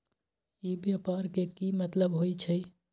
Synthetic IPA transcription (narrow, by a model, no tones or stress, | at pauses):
ibjapaɾkekimət̪ləbɦojt͡ʃʰəj